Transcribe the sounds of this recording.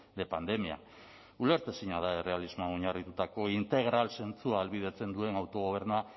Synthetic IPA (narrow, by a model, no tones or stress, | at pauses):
d̪e̞pand̪e̞mia̰ | ule̞ɾt̪esiɲað̞ae̞re̞alizmoaoɲarit̪ut̪ako̞int̪e̞ɣ̞ɾalse̞nt͡suaːlβið̞e̞t͡se̞nd̪ue̞nawt̪o̞ɣ̞o̞β̞e̞ɾnua